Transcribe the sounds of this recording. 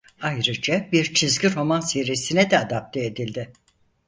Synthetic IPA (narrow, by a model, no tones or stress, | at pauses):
ajɾɯd͡ʒabiɾt͡ʃʰizɟiɾo̞manseɾisinɛd̪ɛad̪ap̚t̪ʰeːd̪ilʲd̪ɪ